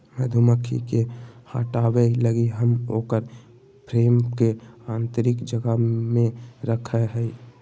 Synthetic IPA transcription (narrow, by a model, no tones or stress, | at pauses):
məd̪ʱʊməkʰḭkehaːʈaːweləɡiɦəmo̰ːkəɾ | pɾeːmkeãːnt̪əɾɪkd͡ʒəɡəmẽɾəkʰəɦɛi